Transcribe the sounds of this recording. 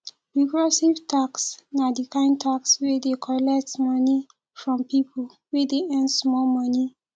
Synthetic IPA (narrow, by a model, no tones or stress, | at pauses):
ɹiɡɹɔsivtʰaksnadikãɪ̃n̚tʰakswedekʰɔlɛk̚tmɔni | fɹɔ̃mpipʰol | wedeɛ̃ndsmɔlmɔni